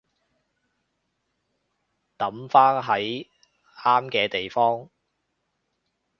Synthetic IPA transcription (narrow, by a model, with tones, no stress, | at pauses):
t̪ɐ˨˥mfaː˥nɦɐ˨˥j | aː˥mkɛː˧t̪e˨jfɔː˥ŋ